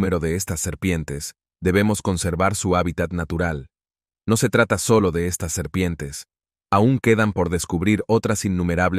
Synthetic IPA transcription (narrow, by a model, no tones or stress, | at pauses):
me̞ɾo̞ðe̞est̪asːe̞ɾpje̞nt̪e̞z | d̪e̞βe̞mo̞sko̞nse̞ɾβaɾsuaβit̪at̪nat̪uɾal | no̞se̞t̪ɾat̪aso̞lo̞ðe̞est̪asːe̞ɾpje̞nt̪e̞s | auŋke̞ðampo̞ɾðe̞skuβɾiɾo̞t̪ɾasinːũme̞ɾaβl